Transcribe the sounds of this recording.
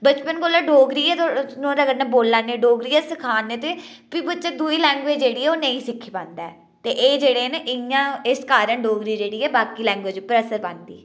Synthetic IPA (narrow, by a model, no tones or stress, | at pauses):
bət͡ʃpənɡoːlaːɖoːɡɾiːɛːt̪nõːɾəɡəɾnɛ̃ːboːlːaːnẽːɖoːɡɾiːɛːsɪkʰaːnːeːt̪eːpiːbətːt͡ʃəd̪uːiːlɛ̃ːŋɡʋeːd͡ʒd͡ʒeːɽiːɛːoːnəĩːsɪkʰːiːpãːnd̪aː | t̪eːʔeːd͡ʒeːɽeːneʔɪjãːɪskaːɾəɳɖoːɡɾiːd͡ʒeːɽiːɛːbaːkiːlɛ̃ːŋɡʋeːd͡ʒpɾəsəɾbãːnd̪ḭː